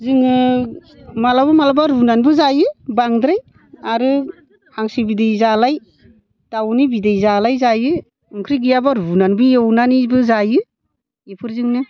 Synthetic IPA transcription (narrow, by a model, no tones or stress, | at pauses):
zɯŋɯ | malabɯmalabaɾunanbɯzajɯbaŋd̪ɾaj | aɾɯ | haŋsibidejzalaj | tawnibidejzalajzajɯ | ɯŋkʰɾiɡijabaɾbunanbɯjɔwnanibɯzajɯ | ipʰɯɾzɯŋnɯ